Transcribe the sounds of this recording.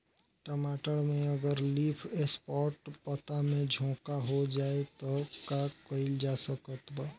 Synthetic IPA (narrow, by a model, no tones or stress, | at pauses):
ʈəmaːʈəɽmẽəɡəɾliːpʰespɔːɾʈpət̪amẽd͡ʒʱõːkaɦod͡ʒaːet̪ɔkakəɪld͡ʒasəkət̪b